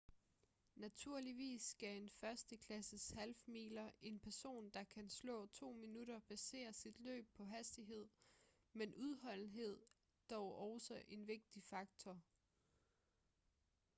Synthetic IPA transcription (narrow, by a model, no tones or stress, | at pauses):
næt͡sʰuɐ̰liʋḭːsːɡ̥æe̝nfɶɐsd̥əkʰlæsəshælfmḭːlɐe̝npʰæɐso̝̰ːnd̥ɑ̈kʰænslɔ̰̽ːt͡sʰo̝̰ːminuɾ̥ɐb̥æse̝̰ːɐsid̥lø̰ːb̥̚pʰɒ̽ɦæsd̥iɦe̝ð̞̰ˠ | menʔuðˠɦɒ̽l̰n̩ɦe̝ð̰ˠ | d̥ɒʊʔɒʊsɒʔe̝nʋe̝ɡ̥̚d̥ifɑ̈ɡ̥̚t͡sʰɒ